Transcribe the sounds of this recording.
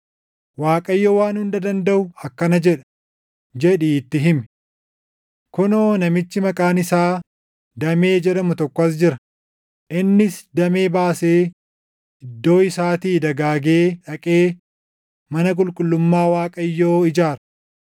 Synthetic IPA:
waːkʼɐjːoːwaːnhʊnd̪ɐd̪ɐnd̪ɐʔʊɐkːɐnɐd͡ʒɛᶑɐ̥ | d͡ʒɛᶑiːt̪ːɪɦɪmɪ̥ | kʊno̞ːnɐmɪt͡ʃːɪmɐkʼaːnɪsaː | d̪ɐmeːd͡ʒɛᶑɐmʊt̪ɔkːɔɐs̬d͡ʒɪɾɐ | ʔɪnːɪsd̪ɐmeːbaːseː | ɪd̪ːo̞ːɪsaːt̪iːd̪ɐɡaːɡe̞ːᶑɐkʼe̞ː | mɐnɐk̬ʼʊlkʼʊlːʊmːaːwaːkʼɐjːoːɪd͡ʒaːɾɐ

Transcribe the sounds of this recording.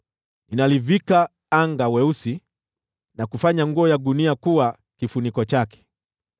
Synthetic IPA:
ninalivika | aŋɡawɛusi | nakufaɲaŋɡuɔjaɗuniakuwa | kifunikɔt͡ʃakɛ̥

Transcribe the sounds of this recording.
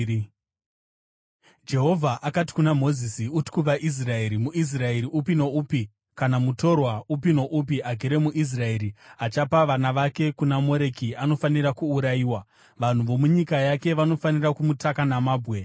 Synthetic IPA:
d͡ʒe̞ɦo̞vʱaʔakati̥kunamo̞zisiutkuʋaʔis̬rae̞ɾimuʔis̬rae̞ɾiʔupinoupi | kanamuto̞rwaup̬ino̞ʔup̬iʔaɡʱeɾe̞muʔis̬rae̞ɾiat͡ʃapaʋanaʋake̞kunamo̞ɾe̞kiano̞fanirakuːɾajiːwa | ʋan̤uʋo̞muɲikajake̞ʋano̞fanirakumutakanamaːbʱwe̞

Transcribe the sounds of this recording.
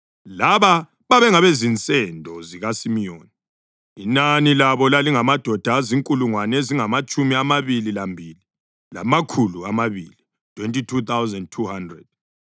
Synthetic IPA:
laβa | βaβɛŋaβezint͡sʼɛndʱɔziɣasimijoːni | inanilaβɔlaliŋamad̥ʱɔd̥ʱaːziŋkʼuluŋwaneziŋamat͡ʃʼumiamaβililambʱiːli | la̰makʰuluamaβiːli | tʰwɛntʼitʰut̪ʰawzɛnd̚tʰuhandrɛd̥̚

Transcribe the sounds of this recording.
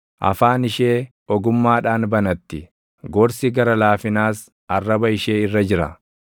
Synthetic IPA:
ʔɐ̰faːnɪʃeː | ɔɡʊmːaːᶑaːnbɐnɐt̪ːɪ | ɡɔɾsiɡɐɾɐlaːfɪnaːs | ʔɐrːɐbɐɪʃe̞ːɪrːɐd͡ʒɪɾɐ̰

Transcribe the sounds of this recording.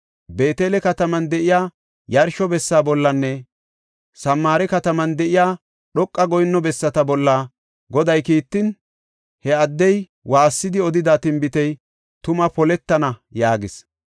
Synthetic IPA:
be̞ːt̪eːlɛkɐt̪ɐmɐnd̪ɛʔɪjaː | jɐɾʃɔbɛsːaːbɔlːɐnːɛ | sɐmːaːɾɛkɐt̪ɐmɐnd̪ɛʔɪjaː | ɗɔkʼːɐɡɔjɪnːɔbɛsːɐt̪ɐbɔlːaː | ɡɔd̪ɐjkiːt̪ːɪn | hɛɐd̪ːɛj | waːsːɪd̪ɪɔd̪ɪd̪aːt̪ɪmbɪt̪ɛj | t̪ʊmɐpɔlɛt̪ːɐnɐjaːɡɪs

